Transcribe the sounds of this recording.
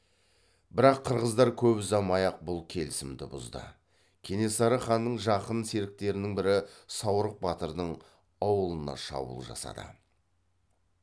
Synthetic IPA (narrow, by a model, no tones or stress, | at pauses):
bɪɾɑqʰːəɾʁəzd̪ɑɾkʲʰɵpzɑmɑjɑq̚bʊlˠkʲʰe̞lɪsɪmd̪ɪbʊ̰zd̪ə̰ | kʲʰe̞ne̞sɑɾəχɑnːəɴʒɑqənse̞ɾɪk̚t̪e̞ɾɪnɪŋbɪɾɪsɑwɾəq̚bɑt̪əɾd̪əɴ | ɑwəlˠənɑ̰ʃɑ̰bṵlˠʒɑ̰sɑ̰d̪ə̰